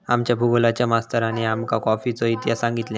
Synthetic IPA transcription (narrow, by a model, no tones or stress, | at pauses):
amt͡ɕjapuɡolat͡ɕjamast̪əɾañiamkakɔfit͡sɔit̪jasãŋɡit̪lẽ